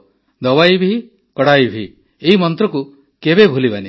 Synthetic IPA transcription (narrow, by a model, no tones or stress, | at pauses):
d̪ɔwajbʱi | kɔɽajbʱi | eɦimɔnt̪ɾɔku | kebebʱulibani